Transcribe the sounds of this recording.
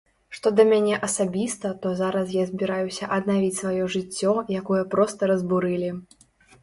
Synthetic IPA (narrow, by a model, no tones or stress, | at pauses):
ʂt̪ɔd̪ɐmʲanʲɛʔɐsabʲist̪ɐt̪ɔzaɾɐsjazʲbʲiɾajusʲɐʔɐd̪navʲit͡sʲsvajɔʐɨt͡sʲːɔjakɔjɐpɾɔst̪ɐɾɐzbuɾɨlʲi